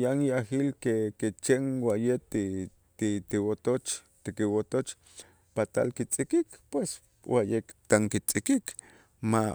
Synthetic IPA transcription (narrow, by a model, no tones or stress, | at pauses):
janjahilkeket͡ʃeŋwajet̪i | t̪it̪iwot̪ot͡ʃ | t̪ikiwot̪ot͡ʃ | pat̪a̰lkit͡sʼikikpwes | wajekt̪aŋkit͡sʼikik | ma